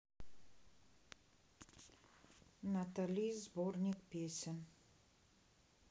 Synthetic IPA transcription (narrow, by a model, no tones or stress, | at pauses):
nat̪alʲijzbornʲikpʲesʲɪn